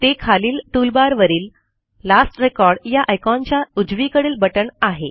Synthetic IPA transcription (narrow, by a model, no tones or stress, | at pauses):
t̪ekʰaliːlʈulbaɾʋəɾiːl | lasʈɾekɔɾɖjaʔajkɔ̃nt͡ɕjaud͡zʋikəɽeːlbəʈəɳaɦe